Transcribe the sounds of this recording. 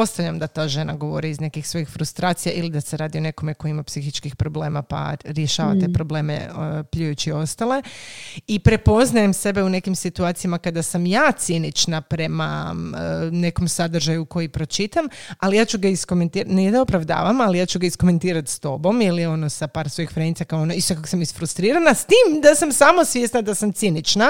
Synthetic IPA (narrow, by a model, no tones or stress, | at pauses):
po̞st̪aʋvʎʲamd̪at̪aːʒe̞naɡo̞ʋo̞̰ɾiːzne̞kixsʋo̞jixfɾust̪ɾaːt̪sijaʔilid̪aseɾaːd̪io̞ne̞ko̞meko̞imapsixit͡ʃkixpɾo̞ble̞ːmapa̰ɾjeʃaːʋa̰t̪epɾo̞ble̞ːmḛpʎujut͡ɕio̞st̪ale̞ipɾe̞po̞znajemse̞be̞une̞kimsit̪uaːt̪sijamakad̪asamjaːt̪sinit͡ʃnapɾe̞ma̰ | ne̞ko̞msad̪ɾ̩ʒajuko̞jipɾo̞t͡ʃit̪amalijaːt͡ɕuɡaisko̞ment̪iːɾaneed̪ao̞pɾaʋd̪a̰ːʋamalijaːt͡ɕuɡaisko̞me̞nt̪iːɾat̪st̪o̞bo̞milio̞nosapaːɾsʋo̞jixfɾenit̪sakaoonoiskakosamisfɾust̪ɾiːɾanast̪iːmd̪asamsamosʋjesnad̪asamt̪sinit͡ʃna